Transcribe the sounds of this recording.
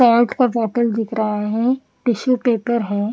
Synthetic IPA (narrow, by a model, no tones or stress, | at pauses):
aːlʈkaʈɔːʈəld̪ɪkʰɾaɦaɦɛ̃ | pɪʃupeːpəɾɦɛ̃ː